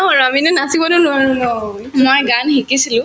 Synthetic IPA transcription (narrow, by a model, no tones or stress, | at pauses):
ɔaɹaminɛnasibɔdunʊwaɹũnɔ | mojɡanhikisilʊ̃